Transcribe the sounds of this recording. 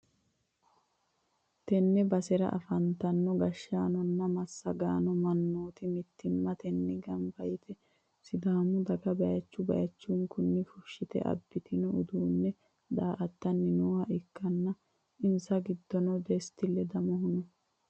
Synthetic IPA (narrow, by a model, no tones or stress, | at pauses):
t̪ɛnːɛbɐsɛɾɐ̰ʔɐ̰fɐnt̪ɐnːɔɡɐʃːaːnɔnːɐmɐsːɐɡaːnɔmɐnːoːt̪ɪmɪt̪ːɪmːɐt̪ɛnːɪɡɐmbɐjɪt̪ɛ | sɪd̪aːmʊd̪ɐɡɐbɐjɐt͡ʃːʊbɐ̰jɐt͡ʃːuŋkʊnːɪfʊʃːɪt̪ɛ̰ʔɐ̰bːɪt̪ɪnɔʊd̪uːnːɛ | d̪aːʔɐt̪ːɐnːɪnuːhɐʔɪkːɐnːɐ | ɪnsɐɡɪd̪ːɔnɔd̪ɛst̪ɪlːɛd̪ɐmɔɦʊnɔ